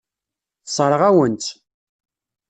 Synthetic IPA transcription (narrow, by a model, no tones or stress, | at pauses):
θsˤəɾˤəʁæwənt̪